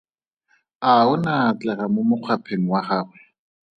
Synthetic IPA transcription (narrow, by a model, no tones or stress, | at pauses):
aʊnat͡ɬɛχamomʊq͡χʰwapʰeŋ̩waχaːχwɛ